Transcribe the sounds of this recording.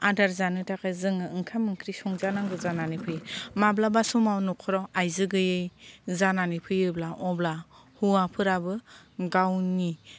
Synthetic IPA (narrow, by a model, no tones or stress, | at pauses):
adaɾzanɯtʰakʰazɯŋɯɯŋkʰamɯŋkʰɾisɔŋzanaŋɡɯzananipʰɯjmablabasumawnɔkʰɔɾɔajzɯɡɯjɯjzananipʰɯjɯblaʔɔblahuapʰɯɾabɯɡawni